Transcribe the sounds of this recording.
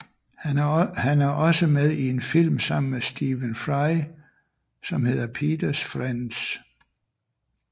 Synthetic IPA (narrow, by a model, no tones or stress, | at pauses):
hænæɐʔɒ̽səmeðˠie̝nfil̰msɑ̈m̰n̩mesd̥iːʋənfʁɑɪ | sɒ̽mhe̝ð̞̰ˠɐpʰiːd̥ɐsfʁans